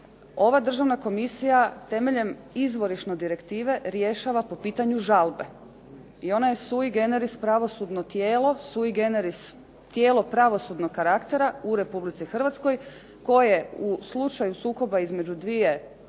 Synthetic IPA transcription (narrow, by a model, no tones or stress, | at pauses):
o̞ʋad̪r̩ʒaʋnako̞misijat̪e̞meʎe̞mizʋo̞ɾiʃno̞d̪iɾe̞kt̪iːʋe̞ɾje̞ʃaʋapo̞piːt̪aɲuʒalˠbe̞ | io̞najesuiɡe̞ne̞ɾispɾaʋo̞sud̪no̞t̪jeːlˠo̞suiɡe̞neɾis | t̪je̞ːlo̞pɾaʋo̞sud̪no̞kkːaɾakt̪e̞ɾauɾe̞publit̪sixrʋat̪skoj | ko̞jje̞uslˠut͡ʃajusuːko̞baizme̞d͡ʑud̪ʋie̞